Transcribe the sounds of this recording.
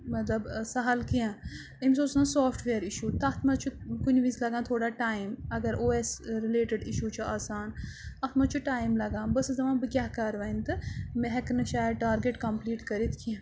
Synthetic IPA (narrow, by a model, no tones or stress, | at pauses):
mɐt̪lɐbsɐɦɐlkiã | imsoːsãsoːpʰʈʰʋeːɾiʃuːt̪ɐt̪ʰmɐt͡ʃʰukunʲʋĩzlɐɡãːt̪ʰoːɽaːʈaːimɐɡɐɾʔoːeːsɾileːʈəɖiʃuːt͡ʃʰuaːsaːnɐt̪mɐt͡ʃʰuʈaːjmlɐɡãːbɐszɐʋãːbɨkʲjaːɦkɐɾʋaːint̪ɨmeɦɐknɨʃaːjʈaːɾɡeʈkɐmpliːʈkɐɾit̪ʰkʰĩ